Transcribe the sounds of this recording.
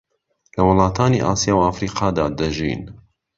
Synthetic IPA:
lɐwɨlˠɑːt̪ʰaːniːʔa̰ːsijaːwafɾiːqɑːd̪aːd̪ɐʒḭːn

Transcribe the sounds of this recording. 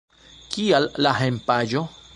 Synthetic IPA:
kialːaɦempaʒo

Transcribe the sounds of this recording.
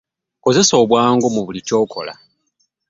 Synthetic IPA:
ko̞ze̞so̞ːβwaːŋɡo̞muβulico̞ːkʰo̞̰la̰

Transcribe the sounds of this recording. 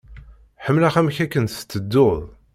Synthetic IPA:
ħəmːlaχæmçækːənst͡s̪ːəd̪ːoðˤ

